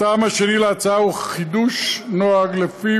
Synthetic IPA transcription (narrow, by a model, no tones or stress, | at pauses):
aːmaʃenileat͡saauχid̪uʃnoaɡlefi